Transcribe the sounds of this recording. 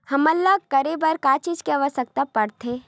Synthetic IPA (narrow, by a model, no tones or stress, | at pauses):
hɐmɐlːakɐɾebɐɾkaːt͡ʃid͡ʒkeaʋəsək̚t̪apɐɽt̪ʰeː